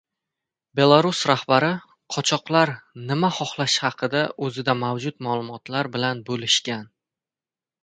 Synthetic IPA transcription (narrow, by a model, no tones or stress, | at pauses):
be̞lˠaɾʊsɾahbaɾɪ | qʰɒt͡ʃʰɒqlˠaɾnɪmaχɒχlˠaʃhɑqʰɨd̪aʔɵzɪd̪amawd͡ʒʊt̪malˠʊmɒt̪laɾbɪlanbolɪʃkʲan